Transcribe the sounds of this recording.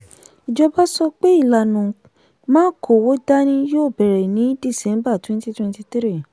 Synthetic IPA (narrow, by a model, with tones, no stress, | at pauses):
i˨d͡ʒɔ˧ba˦sɔ˧k͡pe˦i˦˨la˨nũ˨ | mãː˦kʰo˨wo˦da˦nĩ˦joː˦˨bɛ˨ɾɛ˨nĩ˨˦di˦˨sɛ̃˨˦m˦ba˦˨twɛ̃˦n˦ti˦twɛ̃˧nti˦ti˦ɾi˦˨